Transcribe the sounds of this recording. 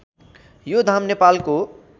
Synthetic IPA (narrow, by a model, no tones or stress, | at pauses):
jod̪ʱamnepalko